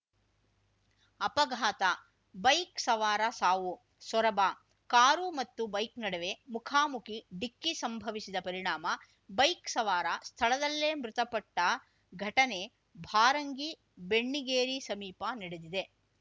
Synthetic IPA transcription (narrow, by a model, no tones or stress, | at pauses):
ɐpɐɡʱaːt̪ɐ | bɐjksɐʋaːɾasaːʋu | sʋɔɾɐba | kaːɾumɐt̪ːubɐjknɐɽeʋe̞mukʰaːmukʰiɖikːisɐmbʱɐʋisid̪ɐpɐɾiɳaːmɐ | bɐjksɐʋaːɾast̪ʰɐɭɐd̪ɐlːeːmɾʊt̪ɐpɐʈːɐ | ɡʱɐʈɐne̞ | bʱaːɾɐŋɡi | beɳːiɡeːɾisɐmiːpaniɽed̪id̪e̞